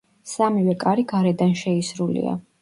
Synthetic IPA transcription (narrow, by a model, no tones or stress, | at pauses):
samivɛkʼaɾiɡaɾɛd̪anʃɛisɾulḭa̰